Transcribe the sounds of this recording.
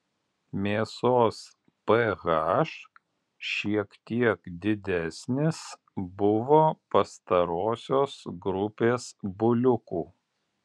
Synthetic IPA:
mʲeːsoːs | pɛɣaʃ | ʃʲiɛkt̪ʲiɛkd̪ʲɪd̪ʲæsʲnʲɪs | bʊʋoːpɐst̪ɐɾoːsʲoːsɡɾʊpʲeːsbʊlʲʊkuː

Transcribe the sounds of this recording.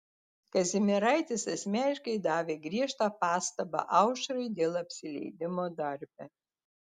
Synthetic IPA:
kɐzʲɪmʲɪɾɐˑɪt̪ʲɪsɐsʲmʲæːnʲɪʃkɐɪd̪ɑːʋʲeːɡɾʲiɛʃt̪ɑːpɑːst̪ɐbɑ̰ʔɐʊʃɐɾɐɪd̪ʲeːlˠɐpʲsʲɪlʲɛ̰ɪd̪ʲɪmoːd̪ɐɾʲbʲɛ

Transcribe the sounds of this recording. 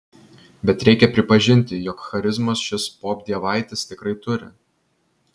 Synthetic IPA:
bʲɛt̪ɾʲɛɪkʲɛpʲɾʲɪpɐʒʲɪnʲt̪ʲɪjɔkxɐɾʲɪzmɐsʃʲɪspoːb̚ʲd̪ʲiɛʋɑˑɪt̪ʲɪst̪ʲɪkɾɐɪt̪ʊɾʲɪ̰

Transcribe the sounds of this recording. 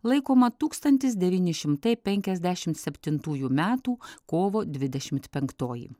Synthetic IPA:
lˠɐɪkoːmɐt̪uːkst̪ɐnʲt̪ʲɪs̬d̪ʲɛʋʲiːnʲɪʃʲɪmt̪ɐɪpʲɛŋʲkʲɛzʲd̪ʲæʃʲɪmt̪sʲɛpʲt̪ʲɪnt̪uːjuːmʲæːt̪uːkoːʋoːd̪ʲʋʲɪd̪ʲɛʃʲɪmʲt̪pʲɛŋkt̪oːjḭ

